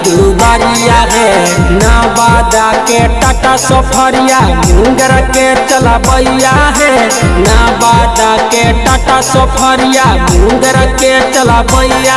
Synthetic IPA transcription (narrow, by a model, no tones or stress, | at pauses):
d̪ubaɾijaɦe | nabad̪akeʈaʈasɔpʰəɾijabʱũɡɾake | t͡ʃəlapəijaɦe | nabad̪akeʈaʈasɔpʰəɾijabʱũŋɡɾaket͡ʃəlapəja